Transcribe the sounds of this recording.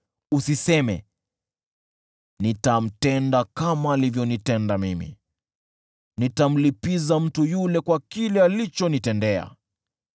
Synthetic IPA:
usisɛmɛ̰ | nitam̩tɛndakamaːlivjɔnitɛndamimḭ | nitam̩lipizam̩tujulɛkwakilɛalit͡ʃɔnitɛndɛa̰

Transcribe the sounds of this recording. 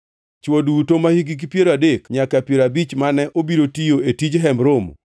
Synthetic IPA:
t͡ʃwodutomahiɡik̬ipjeɾadekɲakapjeɾabit͡ʃmanɛʔobiɾotijoetid͡ʒɦɛmɾom

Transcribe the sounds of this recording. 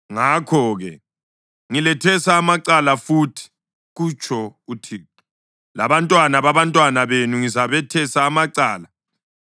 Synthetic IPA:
ŋakʰɔɣɛ | ŋilɛtʰɛsaːmaǀalafutʰi̥ | ɣut͡ʃʰʼɔutʰiu | la̰βantʼwanaβaβantʼwanaβenuŋizaβɛtʰɛsaːmaǀaːla

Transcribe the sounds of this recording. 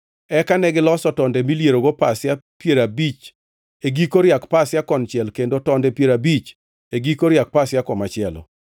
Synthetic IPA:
ɛkanɛɡɪlɔsɔtɔndɛmiljeɾoɡopasjapjeɾabit͡ʃ | eɡikoɾjakpasjakɔnt͡ʃjɛlkendotɔndɛpjeɾabit͡ʃ | eɡikoɾɪjak̚pasjakɔmat͡ʃɪɛlɔ̰

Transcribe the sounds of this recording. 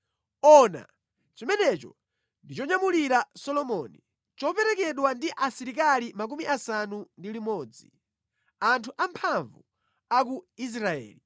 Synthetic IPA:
ɔna̰ | t͡ʃɔmɛnɛt͡ʃɔ̰ | ndit͡ʃɔɲamuliɾasɔlɔmɔni | t͡ʃɔpɛɾɛkɛɗwandiʔasiɾik̬alimak̬umiʔasanundilimɔːd͡zḭ | antʰuʔampʰaɱvu | ak̬uis̬ɾaɛ̰ːli

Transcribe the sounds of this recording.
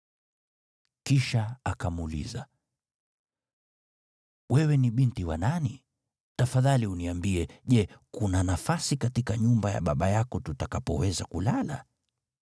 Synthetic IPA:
kiʃaakamulḭza | wɛwɛniɓintiwanani | tafaðaliuniambiɛʄɛkunanafasikatikaɲumbaja̰ɓaɓajakɔtutakapɔ̰wɛzakulala̰

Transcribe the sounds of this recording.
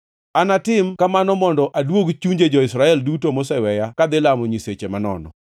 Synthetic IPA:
anatɪmkamanɔmɔndɔʔadwoɡt͡ʃuɲd͡ʒed͡ʒɔɪsɾaɛldutomɔsɛwɛjakad̪ɪlamɔɲiset͡ʃemanɔ̰nɔ̰

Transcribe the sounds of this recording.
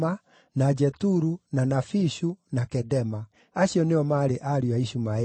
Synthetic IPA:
a | nad͡ʒɛtuɾunanafiɕunakɛdɛma | aɕjɔneɔmaɾeʔaɾiwaiɕuma

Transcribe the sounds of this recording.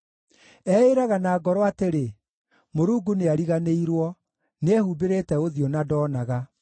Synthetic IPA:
ɛeɾaɣanaːɡɔɾɔateɾe | moɾuːɡuneaɾiɣaneiɾwɔ | nɛhubeɾetɛoðionadɔːnaɣa

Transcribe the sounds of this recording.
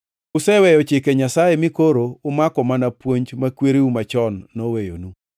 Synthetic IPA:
ʊsɛwɛjɔt͡ʃɪkeɲasajemɪkoɾoʊmakɔmanapwoɲd͡ʒmakweɾiwumat͡ʃɔnːɔwejo̰nu

